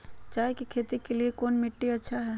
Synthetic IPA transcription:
t͡ʃaːɦekikʰeːt̪ikeliekoːnmɪʈːiɐtːʃʰaɦɛː

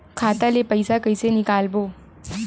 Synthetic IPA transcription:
kʰat̪alepəjsakəjsenikalbo

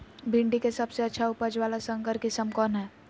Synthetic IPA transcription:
bʱɪ̃ɳɖikesɐbseɐtːʃʰaʊpəd͡ʒʋaːlasə̃ŋkəɾkisəmkɔːnɦɛː

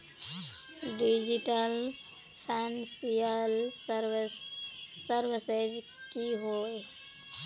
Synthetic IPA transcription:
ɖid͡ʒiʈəl | pʰɛnsijəlɾ | səɾʋised͡ʒ | kiɦoe

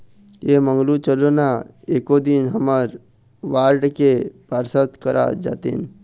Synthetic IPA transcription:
jemə̃ŋɡlut͡ʃəlona | eːkod̪inɦəməɾ | ʋaːɾɖkepəɾsət̪kəɾʔa̰d͡ʒa̰ːt̪ḭn

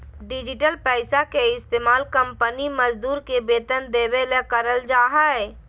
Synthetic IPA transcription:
ɖɪd͡ʒɪʈəlpɛːɪsakeɪst̪eːmaːlkə̃mpəniməd͡ʒd̪uːɾkebeːt̪ənd̪eːbelekəɾəld͡ʒaːɦəe

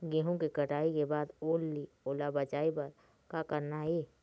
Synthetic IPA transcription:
ɡẽːɦõkekəʈaːikebaːd̪oːlːi | oːlabət͡ʃaːipɐɾ | kakəɾnaɦeː

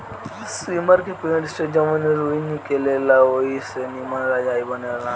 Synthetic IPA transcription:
siməɾkekẽɖsʈed͡ʒɐmaneɾuinikelelaoisenimanɾad͡ʒaːibɐnela

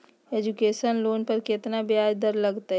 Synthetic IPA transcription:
eːd͡ʒʊkeːʃənloːnpɐɾkɪt̪nabjaːd͡ʒd̪ɐɾlɐɡt̪aɦ

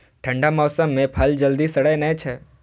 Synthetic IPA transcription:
ʈʰə̃ɳɖamɔːsəmːẽpʰəld͡ʒəld̪isəɽəjnə̃t͡ʃʰe

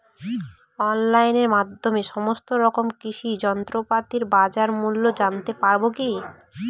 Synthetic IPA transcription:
ɔnlajneɾmad̪ʱːomeʃɔmost̪oɾɔkomkiʃid͡ʑɔnt̪ɾopat̪iɾbad͡ʑaɾmulːod͡ʑant̪epaɾboki

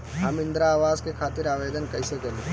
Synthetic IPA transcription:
ɦɐmɪ̃nd̪ɾaːʋaːzkekʰaːt̪ɪɾaːʋeːd̪ənkɐɪsekɛle

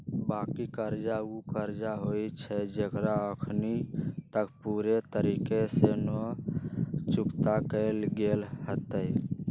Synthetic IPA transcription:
bakikəɾd͡ʒaukəɾd͡ʒaɦojt͡ʃʰɛd͡ʒekɾaəkʰnit̪əkpuɾet̪əɾikesenɔ | t͡ʃukt̪akəlɡelhət̪əj

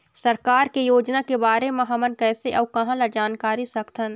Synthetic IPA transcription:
sɐɾkaːɾkejoːd͡ʒnakebaːɾemɐɦamənkɛːseʔɐːbkɐɦãlad͡ʒaːnkaːɾisɐkt̪ʰən

